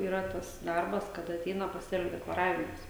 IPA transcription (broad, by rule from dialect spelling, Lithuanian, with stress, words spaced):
iːˈrɐ ˈtɐs ˈdɐrbɐs ˈkɑːdɐ ɐˈtʲɛɪnɐ pɐˈsʲeːlʲʊ dʲɛklˠɐˈrɑːʋʲɪmɐs